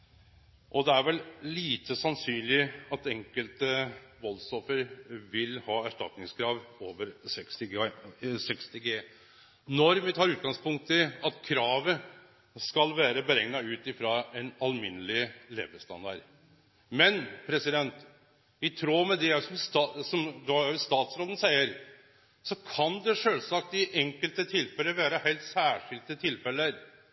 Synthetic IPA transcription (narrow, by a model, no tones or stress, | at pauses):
ʔɔd̪ɛæɾʋɛlliːt̪əsɑnsyːnlɪɑt̪ɛŋkəlt̪əʋɔlsɔfəɾʋɪlhɑːæʂʈɑ̰t̪nɪŋskʰɾɑːʋoːʋəɾsɛkst̪ɪ | sɛkst̪ɪɡeː | nɔɾʋɪt̪ʰɑːɾʉːt̪̚ɡɑŋspʊŋkt̪ʰəɑt̪kʰɾɑːʋə | skɑlʋæːɾəbəɾɛŋnɑʉːt̪ɪfɾɑɛnɑlmɪnːəlɪlḛːbəst̪ɑ̰nd̪ɑ̰ɾ | mɛnpʰɾɛsɪd̪ɛnt̪ | ɪt̪ʰɾoːmɛd̪ɛsɔmst̪ɑsɔmd̪ɔʊst̪ɑːt̪sɾoːd̪ən̩sæɪəɾ | sɔkʰɑnd̪ɛʂøːlsɑk̚t̪ɪʔɛŋkəlt̪ət̪ʰɪlfɛlːəʋæːɾəhæɪlt̪sæːʂɪlt̪ət̪ʰɪlfɛlːəɾ